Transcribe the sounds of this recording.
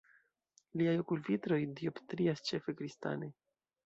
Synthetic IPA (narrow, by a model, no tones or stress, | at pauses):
liajo̞kulvitɾo̞jdio̞ptɾiast͡ʃe̞fe̞kɾista̰ne